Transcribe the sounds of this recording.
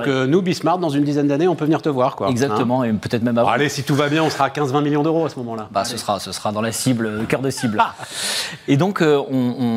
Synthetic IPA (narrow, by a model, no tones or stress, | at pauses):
kənubismaʁt̪̚d̪ɑ̃zynd̪izɛnd̪aneɔ̃pøvniʁt̪əvwaʁkwaɛɡzak̚t̪əmɑ̃epøt̪ɛt̪χmɛmava̰lesit̪uvabjɛ̃ɔ̃sχaːkʲɛ̃zvɛ̃miljɔ̃d̪øʁoasəmɔmɑ̃labasəsʁasəsʁad̪ɑ̃lasibløəkʲœʁd̪əsibl | ed̪ɔ̃køɔ̃ɔ̃